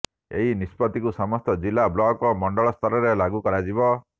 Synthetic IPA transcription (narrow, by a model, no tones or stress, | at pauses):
ḛɦinispɔt̪ikusɔmɔst̪ɔd͡ʒilːablɔkɔmɔɳɖɔɭɔst̪ʰɔɾɔɾelaɡukɔɾad͡ʒibɔ